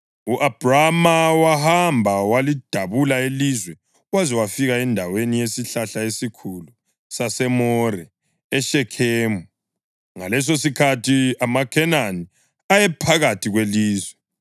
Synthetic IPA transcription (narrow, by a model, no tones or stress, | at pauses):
uʔab̥ramawahambʱawalid̥ʱaβulaelizwɛ | wazɛwafiɣaɛndʱawenijesiɬaɬaesikʰulu | sasɛmɔrɛ | ɛʃɛkʰeːmu | ŋalɛs̬osikʰatʰiamakʰɛnani | ajɛpʰaɣatʰiɣweliːzwɛ